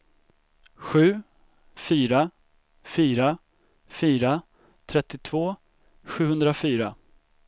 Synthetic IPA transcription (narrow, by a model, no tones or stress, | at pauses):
ɧʉ̟ː | fyːɾa | fyːɾa | fyːɾa | t̪ʰɾɛt̪ːɪt̪ʰvoː | ɧʉ̟ːhɵnd̪ɾafyːɾa